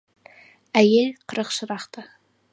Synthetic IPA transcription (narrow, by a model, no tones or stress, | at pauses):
æjelʲqʰəɾəqʃəɾɑχt̪ɑ